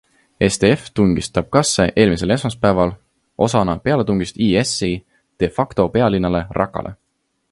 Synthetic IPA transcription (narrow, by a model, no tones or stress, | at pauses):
e̞st̪e̞eft̪uŋɡ̥ist̪ˑɑb̥̚kɑsːe̞ʔe̞ːlmise̞le̞smɑspæevɑl | ʔo̞sɑnɑpe̞ɑle̞t̪uŋɡ̥ist̪iːesi | d̪̥e̞fɑkt̪o̞pe̞ɑlinːɑle̞rʔɑ̰kːɑ̰lʔḛ